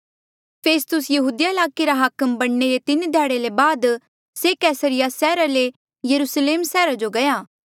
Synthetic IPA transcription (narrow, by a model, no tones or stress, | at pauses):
pʰeːst̪ʊsjɐɦuːd̪ijaɪlaːkeɾaɦakəmbɐɽ̃neɾet̪ɪnd̪ʱɛːɽelebaːd̪ | sekɛːsəɾɪjasɛːɾale | jɐɾuːsleːmsɛːɾad͡ʒoɡɐjaː